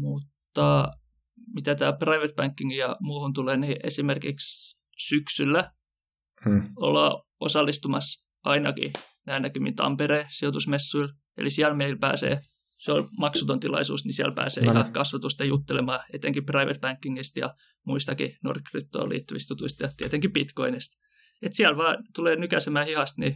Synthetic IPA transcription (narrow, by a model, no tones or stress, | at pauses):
mut̪ːɑ | mit̪æt̪æːprɑiʋet̪̚bæŋkːiŋɡijɑmuːhunt̪uleːniʔesimerkiks | syksylːæ | o̰lɑ̰ː | osɑlːist̪umɑs | ʔɑinɑkḭnæːnækymːint̪ɑ̰mpereːsiot̪usmesːuil | ḛlisiælmeilpæːsḛː | seolmɑksut̪ont̪ilɑ̰isṵːsnisiælpæ̰ːsḛːikɑkɑsʋɑt̪ust̪ɑjut̪ːelemɑːet̪eŋkiprɑiʋḛt̪̚bæŋkːiŋːist̪jɑ̰ | muist̪ɑkḭno̰rkryt̪ːo̰ːlḭːt̪ːuʋist̪ut̪uist̪jɑt̪iet̪eŋkipit̪ko̰inest̪ | et̪siælʋɑːt̪uleːnykæsemæːhihɑst̪ni